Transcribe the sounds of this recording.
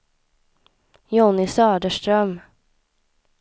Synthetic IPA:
jɔnɪsœːɖəʂʈɾœm

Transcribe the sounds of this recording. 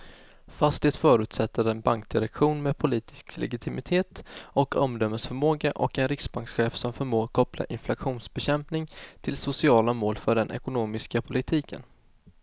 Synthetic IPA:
fast̪ɪt̪fœːɾʉ̟ːt̪sɛt̪ːəɾɛnbaŋkd̪ɪɾɛkɧuːnmɛːd̪pʰʊliːt̪ɪ̥sklɛ̰ɡɪt̪ʰɪmɪt̪ʰeːt̪ɔkɔmd̪œmːəsfœɾmoːɡaʔɔkɛnɾɪksbaŋksɧeːfsɔmfœɾmoːɡkʰɔpla̰ʔɪnflaɧuːnsbɛɕɛmpnɪŋt̪ʰɪlsʊsɪɑːlamoːlfœɖɛnʔɛ̰kʊnoːmɪskapʰʊlɪt̪ʰiːkə̰n

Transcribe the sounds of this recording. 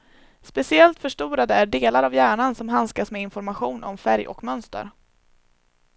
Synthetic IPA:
spɛsɪɛlt̪fœʂʈuːɾad̪əæɖeːlaɾavjæːɳansɔmɦanskasmɛɪnfɔɾmaɧuːnʔɔ̰mfæɾjʔɔ̰kmœnst̪ə̰ɾ

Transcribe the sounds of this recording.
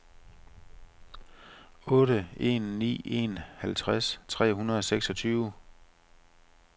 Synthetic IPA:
ɔ̽ːɾəe̝̰nːḭːe̝̰nhælt͡sʰʁast͡sʰʁɛ̰ːɦunɐð̞ˠɒ̽seɡ̥sɒ̽t͡sʰyːʊ

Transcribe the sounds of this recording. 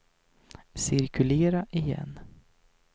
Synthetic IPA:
sɪɾkʰɵleːɾaʔɪjɛ̰nː

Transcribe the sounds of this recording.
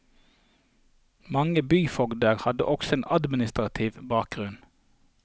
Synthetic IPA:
mɑŋəbyːfɔɡd̪əʁhɑd̪ə̰ʔɔksɔeːnʔɑd̪mɪnɪst̪ʁɑt̪ʰɪːʋbɑːk̚ɡʁʉn

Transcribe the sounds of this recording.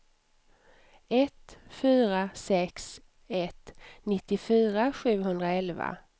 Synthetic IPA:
ɛt̪fyːɾasɛks | ɛt̪ːnɪt̪ːɪfyːɾaɧʉ̟ːɦɵnd̪ɾaɛlva̰

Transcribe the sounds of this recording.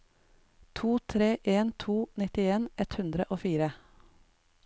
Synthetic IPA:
t̪ʰuːt̪ʰɾeːʔeːnt̪ʰuːnɪt̪ɪeːnɛt̪hʉnd̪ɾəʔoːfiːɾə

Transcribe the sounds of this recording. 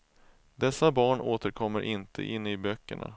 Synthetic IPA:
d̪ɛsːabɑːɳoːt̪əɾkʰɔmːəɾʔɪnt̪ʰə̰ʔɪnːɪbœkːəɳa̰

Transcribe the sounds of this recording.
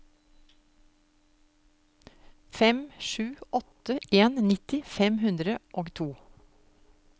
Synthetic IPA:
fɛmʃʉːɔt̪əʔeːnnɪt̪ɪfɛmhʉnd̪ɾəʔoːɡt̪ʰuː

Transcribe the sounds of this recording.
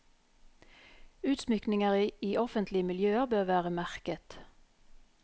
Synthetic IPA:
ʉːt̪smʏknɪŋəʁiːʔɔfənt̪ʰlɪmɪljøːəʁbøːʁʋæːʁəmæʁkət̪

